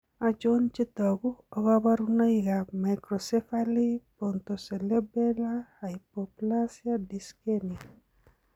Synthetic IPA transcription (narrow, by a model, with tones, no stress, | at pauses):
a˨t͡ʃo˦nt͡ʃi˦t̪ɔ˨ɡu˦ɔ˨ɡa˦ba˦ɾu˦no˦iɡa˨ma˨kɾo˨se˦fali˦po˨nt̪o˨se˨le˦be˦la˦ha˨ipopula˦sja˦di˨skeni